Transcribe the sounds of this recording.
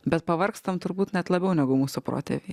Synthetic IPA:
bʲɛt̪pɐʋɐɾkst̪ɐmt̪ʊɾbuːt̪nʲɛt̪lˠɐbʲɛʊnʲɛɡʊmuːsʊpɾo̰ːt̪ʲḛʋʲe

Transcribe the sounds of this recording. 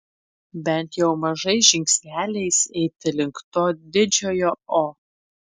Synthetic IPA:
bʲɛnt̪jɛʊmɐʒɐɪʒʲɪŋʲksʲnʲæːlʲɛɪsɛɪt̪ʲɪlʲɪŋkt̪oːd̪ʲɪd͡ʒʲoːjooː

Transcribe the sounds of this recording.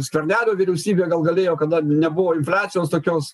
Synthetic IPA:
sʲkʋʲɛrʲnʲæːlʲoːʋʲɪɾʲɛʊsʲiːbʲeːɡɐlˠɡɐlʲeːjoːkɐd̪ɐnʲɛbʊʋoːɪnʲfʲlʲæːt̪sʲɪjoːst̪oːkʲoːs

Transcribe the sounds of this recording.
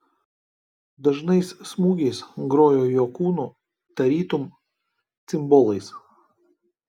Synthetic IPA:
d̪ɐʒnɐɪssmuːɡʲɛɪsɡɾoːjoːjoːkuːnuː | t̪ɐɾʲiːt̪ʊm | t̪sʲɪmbɔlˠɐɪs

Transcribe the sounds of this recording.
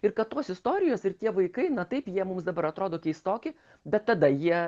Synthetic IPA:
ɪɾkɐt̪t̪oːsɪst̪oːɾʲɪjoːsɪɾt̪ʲiɛʋɐɪkɐɪnɐt̪ɐɪpjiɛmʊmsd̪ɐbɐɾɐt̪ɾoːd̪oːkʲɛɪst̪oːkʲɪ | bʲɛt̪ːɐd̪ɐjiɛ

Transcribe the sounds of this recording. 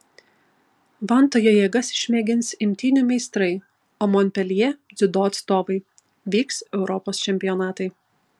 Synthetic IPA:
ʋɐnˑt̪oːjoːjɛːɡɐsʲʃʲmʲɛːɡʲɪnsɪmʲt̪ʲiːnʲʊˑmʲɛɪst̪ɾɐɪ | omɔnʲpʲɛlʲɛzʲɪd̪oːɐt̪st̪oːʋɐɪ | ʋʲiːksɛʊɾʔɔpoːst͡ʃʲɛmʲpʲɪjɔnɑːt̪ɐɪ

